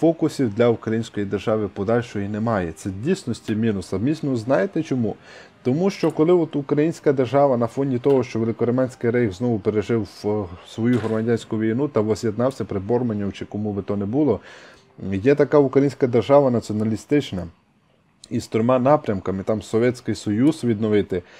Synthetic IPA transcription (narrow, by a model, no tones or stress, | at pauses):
fɔkʊsʲiwd̪lʲɐukɾɐjinʲsʲkɔjid̪erʒɑʋɪpɔd̪ɑlʲʃɔjinemɑjɛt̪sɛdʲijsʲnɔsʲtʲimʲinʊsɐmʲisʲnɔznɑjet̪ɛt͡ʃɔmu | t̪ɔmuʃt͡ʃɔkɔlˠɪɔt̪ukɾɐjinʲsʲkɐd̪erʒɑʋɐnɐfɔnʲit̪ɔɦɔʃt͡ʃɔʋelˠɪkɔɾɔmɑnʲsʲkɪjɾɛjxznɔʋʊpeɾeʒɪwsʋɔjuɦɔɾmɐdʲanʲsʲkʊʋʲijnut̪ɐʋɔzʲjed̪nɑwsʲɐpɾɪbɔrmɐnʲːɔwt͡ʃɪkɔmubɪt̪ɔnebulˠɔ | jɛt̪ɐkaukɾɐjinʲsʲkɐd̪erʒɑʋɐnɐt͡sʲiɔnɐlʲist̪ɪt͡ʃnɐ | ist̪ɔɾɪmɑnɑpɾʲɐmkɐmɪt̪ɑmsɔʋʲjɛt͡sʲkɪjsɔjuzʋʲid̪nɔʋɪt̪ɪ